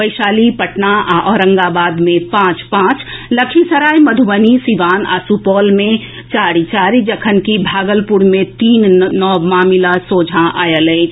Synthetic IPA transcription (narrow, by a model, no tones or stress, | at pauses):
bəɪʃaːlipəʈnaaʔɔːɾə̃ŋɡaːbaːd̪mẽpãːt͡ʃpãːt͡ʃlɐkʰisəɾaːiməd̪ʱuʋənisiʋaːna̰ːsupɔːlmẽ | t͡ʃaːɾit͡ʃaːɾid͡ʒəkʰənkibʱaːɡəlpuɾmẽt̪iːnːɔːmaːmilasoːd͡ʒʱãʔaːjəlẽ